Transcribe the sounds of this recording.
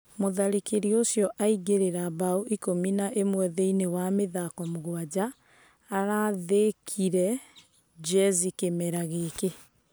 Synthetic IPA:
moðaɾikeɾiosjɔʔaiɣeɾeɾabauʔikominaʔemwɛðeinewameðakɔmoɣwad͡ʑaː | ɾaðekʰiɾɛ | d͡ʒɛzikemɛɾaɣeːke

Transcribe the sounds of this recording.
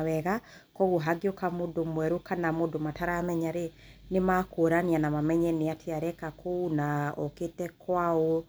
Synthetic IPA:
wɛɣa | kɔɣoɦaɡiokamodomwɛɾokanamodomataɾamɛɲaɾe | nemakoːɾanianamamɛɲɛneatʰeaɾɛkakʰounaɔ̰ketɛkwao

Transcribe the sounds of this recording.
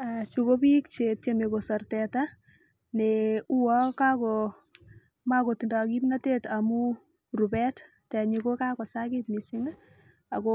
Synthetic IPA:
at͡ʃukobikt͡ʃet̚t͡ʃemekosɔrtɛta | neuwakakɔ | makotindɔkimnatetamu | ɾubɛt | tɛɲikokakɔsakitmisiŋa | akɔ

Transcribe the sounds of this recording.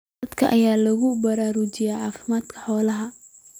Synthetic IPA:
ɐd̪kʰɐ̰ʔɐjaːlɐɣʊbɐɾaːɾʊt͡ʃɪjɛʕɑːfɪmaːd̪kʰɐ̥ħɔːlɐɦɐ

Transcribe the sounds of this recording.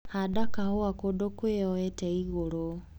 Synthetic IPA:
hadakahoakodokweɔɛtɛiɣoɾo

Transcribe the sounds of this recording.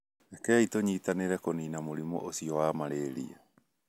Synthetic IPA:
nakɛitoɲiːtaneɾɛkoninamoɾimɔ̰ʔosiɔwamaɾeɾḭa̰

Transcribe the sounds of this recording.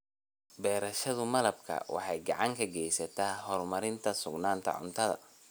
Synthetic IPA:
bɛːɾɐʃɐðʊmɐlɐbkʰɐ̰wɑ̰ħɑjɡɑʕɑŋkʰɐɡɛjsɐt̪ʰaːɦɔrmɐɾɪnt̪ʰɐsʊɡnaːnt̪ʰɐ̰ʕʊ̰nt̪ʰɐðɐ̰

